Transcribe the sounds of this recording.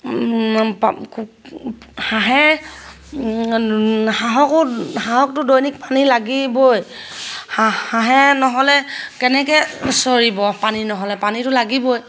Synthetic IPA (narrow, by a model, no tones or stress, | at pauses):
pk | haɦɛ | haɦɔkʊhaɦɔk̚tʊdojnik̚panilaɡibojhahaɦɛnɔɦɔlɛkɛnɛkɛsɔɹibɔpaninɔɦɔlɛpanitʊlaɡiboj